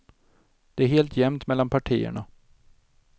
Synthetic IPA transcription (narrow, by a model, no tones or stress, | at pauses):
d̪̥ɛæɾɦeːlt̪ʰjɛmt̪mɛlːanpʰaʈʰiːə̰ɳa